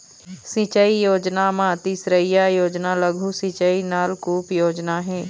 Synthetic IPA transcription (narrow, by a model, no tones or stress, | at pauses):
sɪ̃t͡ʃəijoːd͡ʒnamãt̪isɾəjajoːd͡ʒnaləɡʱusɪ̃t͡ʃəinaːlkuːpjoːd͡ʒnaɦɛ̃ː